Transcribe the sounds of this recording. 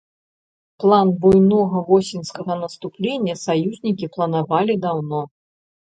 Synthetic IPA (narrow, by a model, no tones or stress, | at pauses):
plˠanbujnɔɣɐvɔsʲinʲskɐɣɐnɐst̪uplʲenʲːɐsajuzʲnʲikʲiplˠɐnavalʲid̪awnɔ